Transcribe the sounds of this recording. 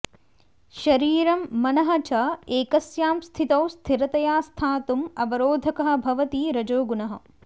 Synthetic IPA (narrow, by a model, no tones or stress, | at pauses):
ʃɐɾiːɾɐmːɐnɐɦɐt͡ʃɐeːkɐsjaːmst̪ʰit̪ɐwst̪ʰiɾɐt̪ɐjaːst̪ʰaːt̪umɐbɐɾoːd̪ʱɐkɐɦɐ̆bʱɐʋɐt̪iːɾɐd͡ʒoːɡunɐɦɐ̆